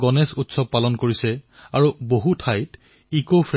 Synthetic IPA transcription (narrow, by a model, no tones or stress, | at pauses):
ɡɔnɛsutsɔb̚palɔnkoɹisɛaɹuboɦutʰajt | ikopʰɹ